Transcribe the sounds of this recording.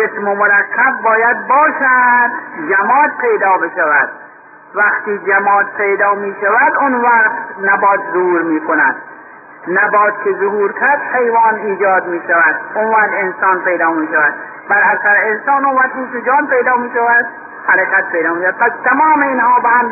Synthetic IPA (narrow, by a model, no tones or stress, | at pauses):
esmomoɾækʰːæbːɒːjæd̪̚bɒːʃæd̪d͡ʒæmɒːd̪pʰejd̪ɒːbeʃævæd̪̥ | væqt̪iːd͡ʒæmɒːt̪pʰejd̪ɒːmiːʃævæd̪ʊnvæqqt̪næbɒːt̪zohuːɾmiːkʰonæd̪ | næbɒːt̪̚kʲʰezohuːɾkʲʰæɾd̪̥hʰejvɑːniːd͡ʒɒːd̪miːʃævæd̪onvæːt̪ensɑːnpejd̪ɒːmiːʃævæd̪ | bæɾæsæɾeensɑːnonvæqt̪insʊd͡ʒɒːnpejd̪ɑːmiːʃævæd̪ | hæɾekʰæt̪̚pʰejd̪ɒːmiːʃaæd̪̚pʰæst̪ʰæmɒːmeinhɒːbehæm